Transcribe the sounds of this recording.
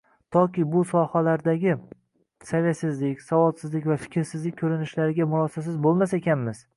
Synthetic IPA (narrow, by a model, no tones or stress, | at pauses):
t̪ʰɒkʲɪbʊsɒhalaɾd̪aɡʲɪ | savʲet̪sɪzlɪkʲsavɒlˠsɪzlɪkʲvafɪ̥kʲʰɾsɪzlɪkʲkʰɵɾɪnɪʃlaɾɪɡʲamʊɾɒsasɪzbolˠmasekʲanmɪz̥